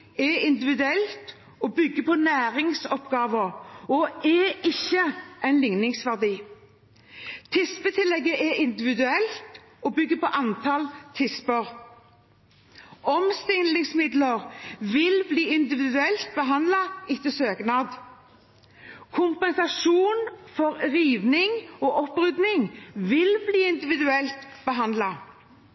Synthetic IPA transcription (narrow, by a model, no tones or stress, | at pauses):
ɛɪnd̪ɪʋɪd̪ʉɛlt̪ | ɔbʏɡːəpʰɔnæːʁɪŋsɔpɡɑːʋəɔʔɛɪçːəʔæɪnlɪŋnɪŋsʋæʁd̪iː | t̪ʰɪspət̪ʰɪlːɛɡːəʔɛʔɪnd̪ɪʋɪd̪ʉɛlt̪ | ɔbʏɡːəpɔʔɑnt̪ʰɑlt̪ʰɪspəʁ | ɔmst̪ɪnlɪŋsmɪd̪ləʁʋɪlbliːɪnd̪ɪʋɪd̪ʉɛlt̪̚bəɦɑnd̪lɑɪt̪ːəsøːɡnɑd̪ | kʰʊmpɛnsɑʂuːnfɔɾʁiːʋnɪŋoːʔɔpʁʉd̪nɪŋʋɪlbliːɪnd̪ɪʋɪd̪ʉɛlt̪b̥əɦɑnd̪lɑ